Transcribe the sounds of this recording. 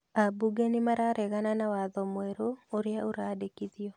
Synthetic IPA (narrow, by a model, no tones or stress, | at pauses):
abuɡenɪmaɾaɾɛɣananawaðɔmweɾooɾjaʔoɾadekiðɪɔ